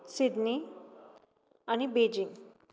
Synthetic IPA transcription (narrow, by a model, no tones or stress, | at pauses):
sid̪ni | añibed͡ʑiŋɡ